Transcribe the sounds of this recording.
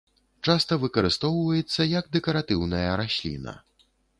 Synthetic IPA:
t͡ʂast̪ɐvɨkɐɾɨst̪ɔwvɐjɛt̪sːɐjɐɡd̪ɛkɐɾat̪ɨwnɐjɐɾasʲlʲḭnɐ̰

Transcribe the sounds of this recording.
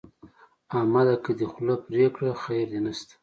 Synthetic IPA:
amad̪akəd̪əxlapɾekɽaxajɾd̪enast̪ḁ

